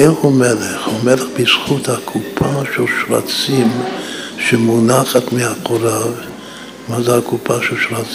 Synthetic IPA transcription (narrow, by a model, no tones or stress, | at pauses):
ehumeleχhumeleχbisχut̪hakʰupʰaʃelʃɾa̰t͡simʃemunaχat̪mehaqoɾav | mazehakupʰaʃelʃɾat͡s